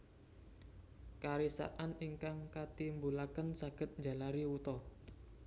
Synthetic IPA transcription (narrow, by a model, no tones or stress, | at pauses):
kaɾisa̰ʔaniŋkaŋkat̪imbulakənsaɡ̥ə̤t̪̚ɲd͡ʒa̤laɾiwut̪ɔ